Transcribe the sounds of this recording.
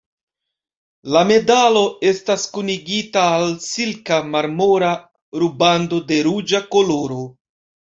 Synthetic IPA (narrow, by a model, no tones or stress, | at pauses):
lame̞dalo̞e̞staskuniɡitaːlsilkamaɾmo̞ɾa | ɾubando̞de̞ɾud͡ʒako̞lo̞ɾo̞